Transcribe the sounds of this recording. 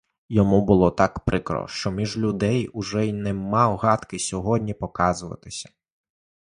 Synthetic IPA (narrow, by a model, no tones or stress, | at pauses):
jɔmubʊlˠɔt̪ɑkpɾɪkɾɔ̰ʃt͡ʃɔmʲiʒlʲʊd̪ɛjuʊʒɛjnɛmɑwɦɑt̪kɪsʲɔɦɔdʲnʲipɔkɑzʊʋɐ̰t̪ɪsʲɐ̥